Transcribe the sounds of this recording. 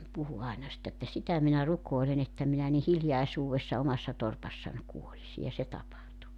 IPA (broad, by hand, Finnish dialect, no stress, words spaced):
puhu ɑenɑ sitː etːæ sitæ minæ rukˑoelen etːæ minæ ni hiljɑisuːwesːɑ omɑsːɑ torpɑsːɑnʲ kuolisi jɑ se tɑpɑhtu